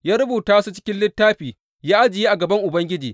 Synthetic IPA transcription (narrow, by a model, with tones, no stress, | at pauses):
jaː˦ɾʊ˦buː˨taː˦su˦t͡ʃɪ˦kʲɪ˦nlɪ˦tːaː˦ɸiː˨ | jaː˦ʔa˦d͡ʒɪ˨jeː˦ʔa˨ɡɐ˨bɐ˦ŋʔʊ˨bɐ˦ŋɡʲɪ˦d͡ʒiː˨